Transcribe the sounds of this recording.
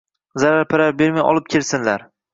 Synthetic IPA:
zaɾaɾpʰɪɾaɾbe̞ɾmajɒ̰lˠɪp̚kʲʰelsɪnlaɾ

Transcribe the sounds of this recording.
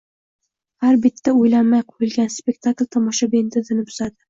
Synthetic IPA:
haɾbɪt̪ːaojlanmajqʰojɪlɡʲanspʲe̞kt̪ʰaklʲt̪ʰɒmɒʃabent̪ʰɪzɪnɪbʊ̥zad̪ɪ

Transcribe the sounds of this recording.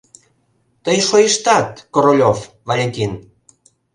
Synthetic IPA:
t̪əjʃojəʃt̪ɑt̪koɾolʲof | vɑlʲek̪ʲin

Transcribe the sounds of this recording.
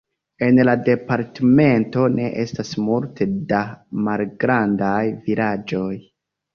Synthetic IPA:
e̞nlade̞paɾteme̞nto̞ne̞ʔe̞stasmulte̞damalɡɾandajvilad͡ʒo̞j

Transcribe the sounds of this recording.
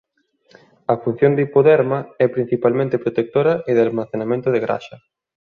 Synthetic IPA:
ɐfun̟θjond̪ipoðɛɾmɐɛpɾin̟θipalmẽnt̪epɾot̪ek̚t̪oɾɐʔeðalmaθenamẽnt̪oð̞eɣɾa̰ʃɐ

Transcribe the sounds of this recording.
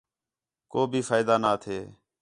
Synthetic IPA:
koːbʱiːfaːɪd̪aːnaːt̪ʰeː

